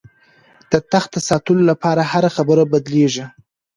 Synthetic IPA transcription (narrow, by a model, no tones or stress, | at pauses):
d̪̥ət̪axt̪asɑt̪əlolapɑɾahaɾaxabəɾabad̪leʒi